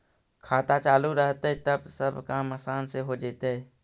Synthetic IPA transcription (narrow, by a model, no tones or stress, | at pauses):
kʰaːt̪at͡ʃaːluɾəɦt̪eɦɛt̪əbsəbkaːmasaːnseɦod͡ʒeːt̪eɦɛː